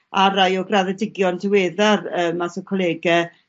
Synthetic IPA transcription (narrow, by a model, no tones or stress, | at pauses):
aɾajɔɡraðədɪɡjɔndɪweːðarəːmːasɔkʰɔlˠɛːɡɛ